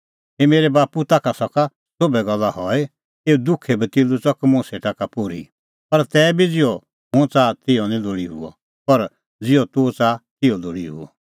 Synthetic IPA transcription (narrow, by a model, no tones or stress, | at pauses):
ɦemeːɾɛbaːput̪akasɔka | sobɛɡɐlːahɔe | eːud̪ʊkʰebɛt̪ɪlut͡sɔkmʊ̃seʈakapoɾḭ | pɐɾt̪ɛːbʱid͡zɪɔ | mʊ̃t͡saːt̪ɪjɔnĩloːɽiɦṵɔ̰ | pɐɾ | d͡zɪɔt̪ut͡saːt̪ɪɔloːɽiɦṵɔ̰